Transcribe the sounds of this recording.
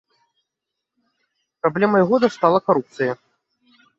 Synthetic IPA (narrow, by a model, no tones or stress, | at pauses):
pɾablʲɛmɐjɣɔd̪ɐst̪alˠɐkaɾup̚t̪sɨjɐ